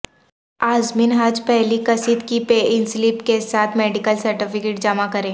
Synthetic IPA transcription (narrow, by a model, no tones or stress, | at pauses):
aːzmiːnɦaːd͡ʒpɛɦlikɐsiːd̪kipeʔɪnsliːpkesaːt̪ʰmɛːɖɪkəlsɐɾʈifʰɪkeːʈ̚d͡ʒɐmakɐɾẽː